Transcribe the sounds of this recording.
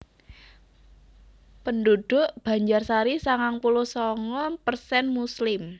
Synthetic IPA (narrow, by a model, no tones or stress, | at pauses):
pənduɖ̥ʊ̤ʔb̥a̤ɲd͡ʒarsaɾisaŋaŋpuluhsɔŋɔpərsɛnmuslɪm